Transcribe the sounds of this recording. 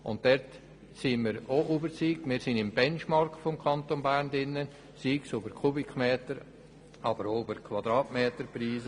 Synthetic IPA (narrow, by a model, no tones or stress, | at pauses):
ʊ̰nt̚dɛɾt | simɪːɾoʔuːbəɾt͡siːkmɪːɾsɪnɪmbɛnʃmɑɾktfɔmkʰɑnt̪onbæːɾndɪnːə | siːksubəɾkʰubɪkʰmeːtəɾ | ɑbəɾoybəɾkʰvɑd̪ɾɑːtmeːtəɾpɾiːzə